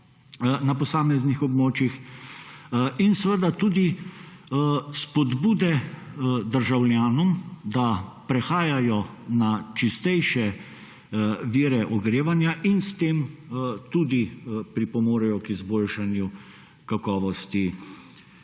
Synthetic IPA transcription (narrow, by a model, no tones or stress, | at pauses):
napɔsaːmɛznixɔbmoːt͡ʃjix | insəʋəd̪at̪uːd̪i | spɔd̪buːd̪ɛ | d̪əɾʒawlʲjaːnɔmd̪apɾɛxaːjajɔnat͡ʃist̪ɛjʃɛ | ʋiːɾɛʔɔɡɾeːʋanjaʔinst̪eːmt̪uːd̪ipɾipɔmoːɾɛjɔkizboːlʃanju | kakɔːʋɔst̪i